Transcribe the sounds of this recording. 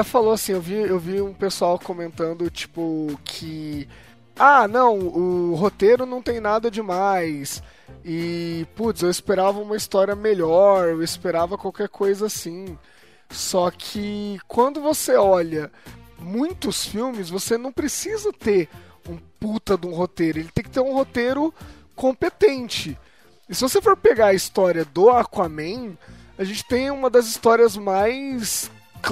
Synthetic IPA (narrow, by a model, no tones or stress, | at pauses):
falowasĩewviewviũpesuawkomẽnt̪ɐ̃nd̪ʊt͡ʃi̥pʊkʰɪ | anɐ̃w̃ʊɦot̪eɾʊnɐ̃w̃t̪ẽj̃nad̪ɐd͡ʒɪmajs | ɪput̪sewɪspeɾavɐũmɐist̪ɔɾiɐmeʎɔɾewɪspeɾavɐkwawkɛɾkʰojzɐasĩ | sɔkʰɪkwɐ̃nd̪ʊvoseɔʎɐmũj̃t̪ʊsfiwmɪzvosenɐ̃w̃pɾesizɐt̪eɾ | ũput̪ɐd̪ũɦot̪ejɾʊelɪt̪ẽj̃kɪt̪eɾũhot̪eɾʊ | kõpet̪ẽnt͡ʃɪ | ɪsɪvosefoɾpeɡaɐist̪ɔɾiɐd̪ʊakwamẽj̃ | aʒẽnt͡ʃɪ̥t̪ẽj̃ũmɐd̪ɐzist̪ɔɾiɐzmajs | k